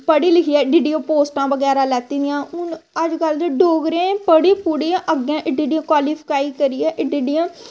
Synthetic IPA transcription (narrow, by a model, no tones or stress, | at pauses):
pəɽiːlɪkʰiːɛːɖiɖiːoːpoːsʈãːʋəɡɛːɾaːlɛːt̪iːd̪ɪjãːʊnəd͡ʒkəld̪eɖoːɡɾẽːpəɽeːpuɽẽʔəɡãːʔɪɖiːɖijãːkwaːliːpʰkaːiːkəɾiːɛːʔɪɖiːɖiãː